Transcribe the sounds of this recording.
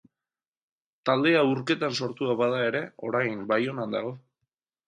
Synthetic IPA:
t̪ald̪e̞auɾke̞t̪anso̞ɾt̪uaβað̞ae̞ɾe̞o̞ɾajmbajo̞nand̪aɣo̞

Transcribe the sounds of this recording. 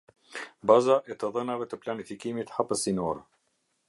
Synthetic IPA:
bazaʔɛt̪əðənavɛt̪əplanifikimit̪hapəsinɔɾ

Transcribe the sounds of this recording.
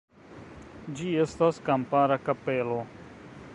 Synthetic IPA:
d͡ʒiest̪askampaːɾakɐpeːlo

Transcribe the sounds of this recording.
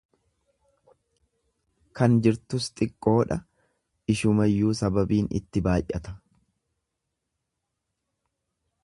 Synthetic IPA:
kɐnd͡ʒɪɾt̪ʊst̪ʼɪkʼːo̞ːᶑɐ | ɪʃʊmɐjːuːsɐbɐbiːnɪ̰t̪ːɪbaːjʔɐt̪ɐ̥

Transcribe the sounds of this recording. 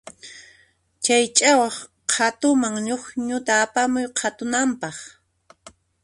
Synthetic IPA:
t͡ʃajt͡ʃʼawɑχ | qʰat̪ʊmaŋɲʊχɲʊt̪aːpamʊjqʰat̪ʊnampɑχ

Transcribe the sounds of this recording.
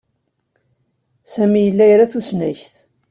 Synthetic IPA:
sæmijəlːæjɾaθusnæçθ

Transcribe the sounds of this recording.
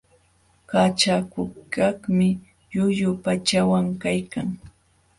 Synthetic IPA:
kat͡ʃakʊkaχmɪ | jʊʎʊpat͡ʃawaŋkajkaŋ

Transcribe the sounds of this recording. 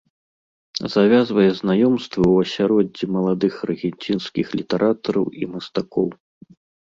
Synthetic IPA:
zavʲazvɐjɛznajɔmst̪vɨwɐsʲaɾɔd͡zʲːimɐlˠad̪ɨxrɨɣʲɛnʲt͡sʲinskʲixlʲit̪ɛɾʔat̪ɐɾɐwimɐst̪akɔw

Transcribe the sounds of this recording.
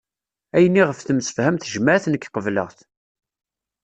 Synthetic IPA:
æjənːiʁəfθəmsə̥fhæmθʒmæθnəkːqəvlə̰ʁθ

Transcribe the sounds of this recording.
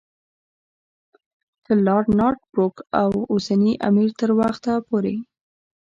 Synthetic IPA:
d̪̥əlɑɾɖnɑɾʈ̚bɾokawosaniʔa̰miɾt̪əɾwaxt̪apoɾe

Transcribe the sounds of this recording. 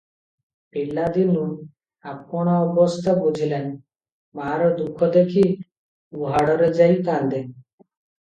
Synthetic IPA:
pilːad̪inun | apkɔɽ̃aɔbɔst̪ʰabud͡ʑʱilen | maɾɔd̪ukʰːɔd̪ekʰi | uɦaɽɔɾed͡ʒajk̪and̪e

